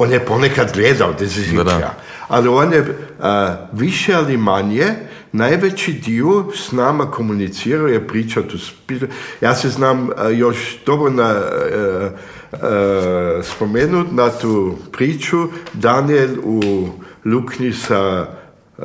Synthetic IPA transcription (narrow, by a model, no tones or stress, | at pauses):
oːnjeponekad̪ɡleːd̪aod̪izizia̰ | a̰lionje | ʋiʃealimaɲje | najʋet͡ʃid̪iosnaːmakʰomunit̪siːɾaojepɾiːt͡ʃat̪uspijaːseznaːmjoʃd̪̥obɾona | spomeːnut̪nat̪upɾiːt͡ʃud̪anieluluknisa